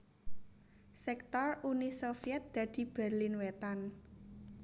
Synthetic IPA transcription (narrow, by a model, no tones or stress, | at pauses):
sɛk̚t̪ɔrunisofiɛt̪̚d̪̥ä̤d̪̥i̤b̥ɛrlɪnwet̪an